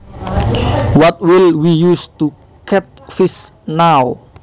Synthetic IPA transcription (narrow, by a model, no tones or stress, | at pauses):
wɔt̚wilwijustu | kʰɛt̪̚fisnaw